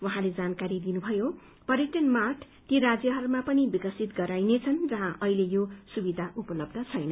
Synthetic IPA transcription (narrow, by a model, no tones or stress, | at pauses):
wʌɦãled͡zankaɾid̪inubʱʌjo | pʌrjeʈʌnmarʈʰ | t̪jiɾad͡zjʌɦʌrmapʌnibikʌsit̪ɡʌɾajnet͡sʰʌnd͡zʌɦãʔʌilejosubid̪ʱaʔupʌlʌbd̪ʱʌt͡sʰʌjnʌ